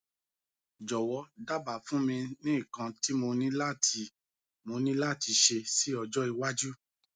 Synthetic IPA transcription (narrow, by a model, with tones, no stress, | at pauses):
d͡ʒɔ˨wɔ˧˦da˦ba˨fũ˦mĩ˧nĩ˦i˦˨kã˧ti˦mo˧nĩ˦la˦˨tʰi˧ | mo˧nĩ˦la˦˨ti˧ʃe˧si˦ɔ˧d͡ʒɔ˦i˧wa˦d͡ʒu˦